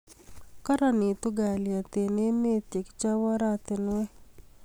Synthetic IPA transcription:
ka˦ɾɔ˨nɪ˨t̪ʊ˦ɡa˨lja˨t̪e˨ne˦me˦t̪je˨kt͡ʃa˦wɔ˦ɾa˦t̪ɪ˨nwɛ˦

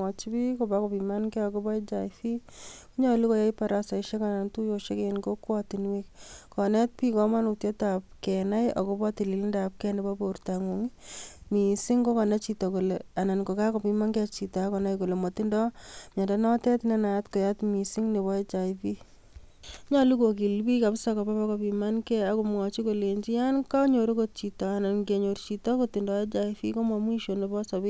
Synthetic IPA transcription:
ɔ˨t͡ʃi˦bi˦koba˦ko˨pima˦nkɛ˦ɔ˨kobɔ˦e˦t͡ʃajfi˦ku˦ɲɔ˦li˦ko˦ja˦jpa˨ɾasa˨iʃe˦ka˨na˨ntu˦jo˨ʃe˦kenɡo˦kwatinwikkɔnɛ˦t̚pikɔ˦ma˦nutjɔ˦tap̚kɛna˦jɔ̰˨ko˦ba˦ti˨li˨li˦ndap̚kɛ˦nɛba˦bo˨uɾtaŋu˨ŋimisi˦ŋɡo˦kɔ˨nɛ˦t͡ʃi˨tɔ˨ku˨lea˨na˨nko˨ka˦kɔ˨pima˦nkɛt͡ʃi˨ta˨˦kɔ˨na˦jko˨le˨mɔ˨ti˦ndɔ˦mɲa˨da˦nɔ˦tɛ˦tne˦na˨atko˨jatmi˨si˦ŋne˨βɔ˦e˦t͡ʃa˨jfi˦ | ɲa˦lu˦ko˨ki˨lbi˦ka˨psakɔ˨pa˦pa˦kɔ˨pima˦nkɛ˦a˨komŋɔ˨t͡ʃi˦ko˨le˨ɲd͡ʒi˦janka˦ɲo˨ɾo˦ko˦t̚t͡ʃi˨tɔ˨a˨na˨nke˨ɲo˨ɾt͡ʃi˨tɔ˦ko˦ti˨ndɔe˦t͡ʃa˨ifi˦ko˦mɔ˨mwi˦ʃo˨ne˨bɔ˦sɔ˨bi˦

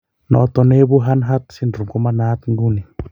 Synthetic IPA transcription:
nɔ̰t̪ɔ˨ne˦βu˦ɦa˦nɦa˦t̪si˦nduɾu˨kɔ˦ma˦nat̪ŋɡuni˨

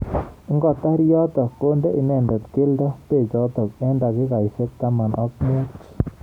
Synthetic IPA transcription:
ɪ˦ŋɡɔ˨t̪a˦ɾjɔ˦t̪ɔ˨kːo˦nde˦ʔi˨nɛ˨ndɔ˨t̪ke˦ldɔ˦pe˨t͡ʃɔ˦t̪ɔ˨k̚ɛ˦nda˨kɪ˦ka˨jse˦k̚t̪a˦ma˨nʔɔ˦k̚me˦t͡ʃ

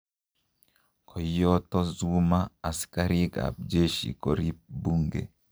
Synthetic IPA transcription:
kʰɔ˨jɔtɔ˦zumaː˦˨si̥kaɾiɡa̰˨b̚d͡ʒe˦ʃḭ˨koɾi˦p̚bu˦ŋɡḛ˨

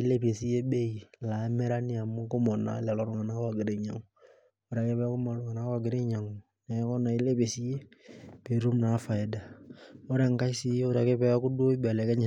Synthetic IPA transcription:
i˦le˦pe˨si˦je˦be˦i˨la˨˦mɛ˦ɾa˦ni˦a˨mu˦kʊ˦mɔ˨na̰˨˦lɛ˨lɔ˨ɾʊ˨ŋa˨na˦kwa˨ɡɪ˨ɾe˨ɲa˨ŋu | u˨ɾa˨ke˦pɛ˦a˦kʊ˦mɔ˨lʊ˨ŋa˨na˦kwa˨ɡɪ˨˦ɾe˦ɲa˨ŋu | nɛ˨˦kɔ˦na˨i˦le˦pe˨si˦je˦b̥e˨˦ɾu˦mna˨˦fa˨i˨da˨o˦ɾa˨ŋka˦si˦ju˦ɾa˨ke˦pɛ˦ja˦ku˦do˦i˦ba˨lɛ˨˦kɛ˦ɲi˨

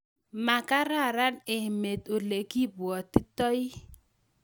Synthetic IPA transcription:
ma˨ka˦ɾa˦˨ɾa˦ne˨me˨t̪o˨le˨ki˦bwɔ˨t̪i˦tɔ˦ɪ˦

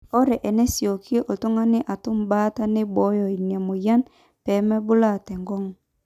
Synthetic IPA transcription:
ɔ˦ɾɛ˨ʔɛ˨nɛ˦sjo˨ki˦e˦ʔo˨to˦ŋa˦nɪ˦ʔa˨tʊ˦m˦ba˦ta˦nɪ˦bɔ˨˦jɔ˨i˨n˨a˨mo˨ja˦n | pɛ˨˦mɛ˦bʊ˦la˦˨tɛ˨ŋɡɔ˦ŋ˨

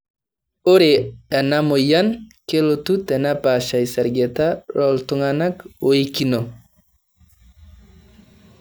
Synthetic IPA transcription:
o˦ɾe˨a˨na˦mo˨ja˦nke˦lo˨tu˦tɛ˨na˦pa˨ʃa˨jsɛ˨ɾɡe˨ta˦ɾɔ˦ltʊ˦ŋana˦ko˦i˦ki˦no˨

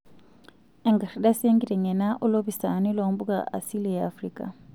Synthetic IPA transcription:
ɛ˨ŋɡa˨ri˨da˦se˦ŋɡi˦lɛ˨ŋɛ˨na˦ʔʊ˦lo˦bi˨sa˨nɪ˦lo˨m̩˦bu˦kʼa̰ʔa̰˨si˦lijɛafriːkʼa̰˨

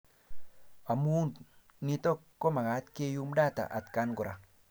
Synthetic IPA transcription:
a˨mu˦n | ni˦tɔ˦kːɔ˦ma˨ŋa˨˦tke˦ju˦m˦da˦˨ta̰˨ʔa̰˨tka˦nɡu˨ɾa˨

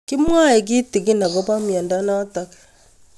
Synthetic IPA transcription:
ki˦mwa˦e˨ɡ̬i˦ti˨ɡi˦na˨ɡɔ˦ba˦mjɛ˨nda˦na˦ta˨k

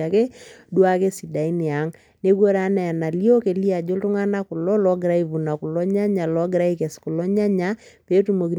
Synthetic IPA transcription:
a˨ke˦dwa˦ke˦si˨da˨i˦ni˨a˨˦ŋ | ne˦ɡo˦ɾa˨˦na˨a˨na˨li˦o˦ke˨li˦a˨d͡ʒo˦ltʊ˦ŋa˦na˦kʊ˨lɔ˦lɔ˦ɡɾa˦i˦vu˨na˨kʊ˨lɔ˦ɲa˦ɲa˨lɔ˨˦ɡɾa˦i˦kɛ˨skʊ˨lɔ˦ɲa˦ɲa˨pe˦tu˦mo˨ki˨

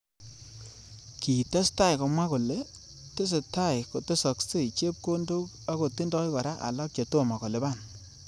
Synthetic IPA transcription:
ki˨ta˦sta˦jkɔ˨mwa˦ko˨le˨ | tɪ˦s̬e˨ta˦jko˨tɪ˦sɔ˨kse˦˨t͡ʃe˦p̚ko˦ndo˦k | a˦ko˨ti˦ndɔ˦jka˨ɾa˦ʔa̰˨lɔ˦k̚t͡ʃa˨tu˦a˨ma˨kɔ˨le˨ba˦˨n

